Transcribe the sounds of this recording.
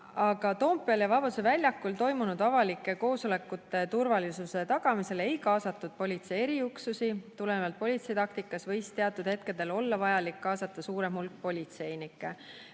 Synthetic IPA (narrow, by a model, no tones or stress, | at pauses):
ɑɡ̥ɑt̪o̞ːmpːˑiɑljɑvɑb̥ɑd̪u̥sevælʲjɑkːˑult̪o̞jmunud̪̥ɑvɑlikːˑe̞ko̞ːsole̞kːˑut̪ːˑe̞t̪urvɑlisuse̞t̪ɑɡ̥ɑmise̞le̞jkɑːsɑt̪ːˑud̪̥̚po̞lʲit̪se̞jeɾiuksusit̪ulevɑlt̪̚po̞lʲit̪se̞jt̪ɑk̚t̪ikːˑɑsvɤjst̪e̞ɑt̪ːˑud̪̥he̞t̪ke̞d̪̥e̞lo̞lːɑvɑjɑlikːɑːsɑt̪ˑːɑsuːɾemhulk̚ːpo̞lʲit̪se̞jnikːˑe